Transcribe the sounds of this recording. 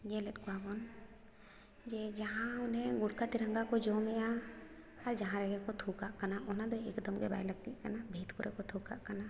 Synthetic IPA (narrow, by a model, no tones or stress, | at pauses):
ɡeləʈkabon | d͡ʒed͡ʒɐɦãʊnɦẽɡʊɽkat̪ɪɾə̃ŋɡakod͡ʒoːmea | ɐɾd͡ʒɐɦãɾɛɡekot̪ʰuːkakɐnaʊnãd̪oeːkd̪əmɡeba̰ːjlɐɡ̚t̪ikənabʱeːt̪kuɾʔekot̪ʰuːka̰kɐna